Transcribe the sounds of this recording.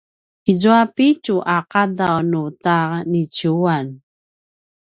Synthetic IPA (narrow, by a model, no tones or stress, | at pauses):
izuapicuʔaqadawnutanit͡ɕuan